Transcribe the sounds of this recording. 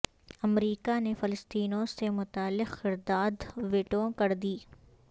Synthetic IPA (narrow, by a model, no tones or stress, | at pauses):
ɐmɾiːkanefɪləst̪iːnõsemʊt̪aːlːɪqːɪɾd̪aːd̪ʋeːʈõkɐɾd̪iː